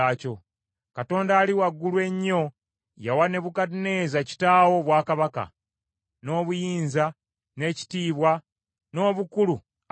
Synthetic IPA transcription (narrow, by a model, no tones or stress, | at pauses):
aːco̞ | kato̞ːndaːliwaɡːulwe̞ɲːo̞ | jawane̞βukatne̞ːzaci̥taːwo̞βwaːkaβaka̰ | no̞ːβujiːnza | ne̞ːci̥tiːβwa | no̞ːβukulu